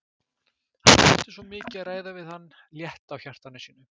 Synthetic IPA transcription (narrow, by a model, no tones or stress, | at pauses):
ha̰nɛht̪ɪsvɔmɪːcɪaðraːjðavɪðhanː | ljɛht̪awçar̥t̪anɪsiːnʏ